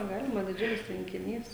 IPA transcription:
ˈɡɑːlʲɪmɐ dʲɪˈd͡ʒʲʊlʲɪs tʲʋʲɛŋʲkʲɪˈnʲiːs

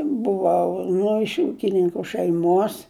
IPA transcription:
bʊˈʋɐʊ ˈnʊ ɪʃ ˈuːkʲɪnʲɪŋkʊ ʃʲɛɪˈmoːs

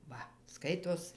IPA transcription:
ˈʋɐ ˈskɐɪtoːs

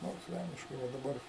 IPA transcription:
ˈnoːrs ˈʋʲɛlʲnʲɪʃkɐɪ ˈʋɐ dɐˈbɐr

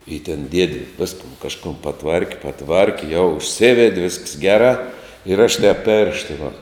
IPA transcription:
ɪ tʲɛn ˈdʲiɛdʲɪ ˈʋʲɪskʊn kɐʃˈkʊm pɐˈtʋɐrʲkʲɪ pɐˈtʋɐrʲkʲɪ jɛʊ ʊʃʲˈsʲɪʋʲɛdʲɪ ʋʲɪsks ˈɡʲæːrɑː ɪr ɐʃ tʲɛːp ˈpʲeːrʃtɐ ʋɐ

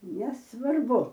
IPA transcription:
nʲɛsʋɐrˈbʊ

